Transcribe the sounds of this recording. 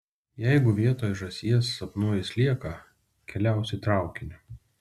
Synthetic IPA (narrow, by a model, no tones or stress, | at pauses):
jɛɪɡʊʋʲiɛt̪oːjʒɐsʲiɛsɐpnuɔjɪsʲlʲiɛkɐ | kʲɛlʲæˑʊsʲɛɪt̪ɾɑˑʊkʲɪnʲɪ